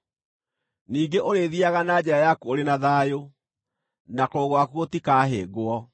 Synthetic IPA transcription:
niːŋɡeʔoɾeðiaɣanad͡ʑɛɾajakuoɾenaðajo | nakoːɣwakuotikaːɦḛːɡoɔ

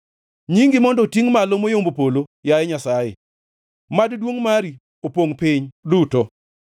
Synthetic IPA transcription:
ɲiŋɡɪmɔndɔtiŋmalomojombopolojajɛɲasajḛ | maddwoŋmaɾi | opoŋpiɲdutɔ

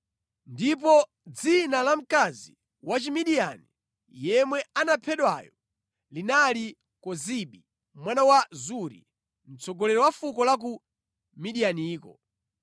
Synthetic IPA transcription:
ndip̬ɔ | d͡zinalam̩kazḭ | wat͡ʃimiɗiani | jɛmwɛanapʰɛɗwa̰jɔ | linali | kɔziɓi | mwanawazuɾḭ | m̩t͡sɔɡɔlɛɾɔwafukɔlak̬u | miɗijaniːkɔ̰

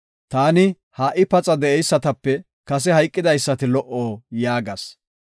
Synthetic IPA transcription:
t̪aːnɪ | haːʔɪpɐt͡sʼɐd̪ɛʔɛjsːɐt̪ɐpːɛ | kɐs̬ɛhɐjkʼːɪd̪ɐjsːɐt̪ɪlɔʔoːjaːɡɐs

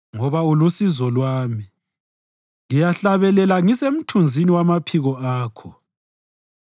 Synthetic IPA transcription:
ŋɔβaulusizɔlwaːmi | ŋijaɬaβɛlɛlaŋisem̩tʰund͡zʱiniwamapʰiɣɔaːkʰɔ

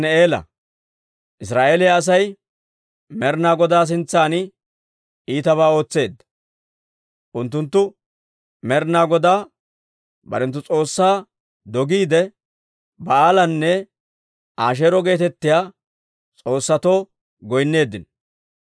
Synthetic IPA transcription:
nɛeːlɐ̰ | ʔɪs̬ɾaːʔeːlɪjaːs̬ɐj | mɛɾnaːɡɔd̪aːs̬ɪnt͡sːaːnɪ | iːt̪ɐβaːo̞ːt͡sːe̞ːd̪ːɐ̥ | ʔʊnt̪̬ːʊnt̪ːʊ | mɛɾnaːɡɔd̪aː | bɐ̰ɾɛnt̪ːʊt͡sʼo̞ːsːaː | d̪ɔɡiːd̪ɛ | bɐaːlɐnːɛ | ʔaːʃ̬eːɾɔɡe̞ːt̪ɛt̪ːɪjaː | t͡sʼo̞ːsːɐt̪oː | ɡɔjnːe̞ːd̪ːɪn

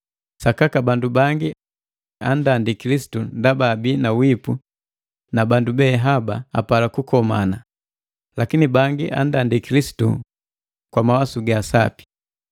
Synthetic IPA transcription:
sakakabandubaŋɡi | andandikilisi̥tundabaːbinawipu | nabandubɛːɦabaa̰palakukɔmana | lakinibaŋɡiʔa̰ndandikilisi̥tṵ | kwamawasuɡasapi̥

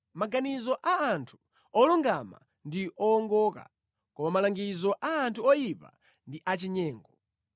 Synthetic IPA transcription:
maɡanizɔʔaːntʰu̥ | ɔluŋɡama̰ | ndiʔɔːŋɡɔːka̰ | kɔmamalaŋɡizɔʔaːntʰuɔjipa̰ | ndiʔat͡ʃiɲɛːŋɡɔ

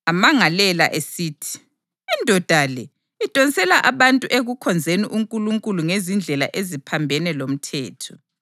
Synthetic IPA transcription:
amaŋalɛla̰ʔesiːtʰi̥ | indʱɔd̥ʱalɛ | id̥ʼʱɔnsɛlaʔaβantʼuʔeɣukʰɔnd͡zʱeniʔuŋkʼuluŋkʼuluŋezind͡ɮʱɛla̰ʔezipʰambʱɛnɛlom̩tʰɛːtʰɔ

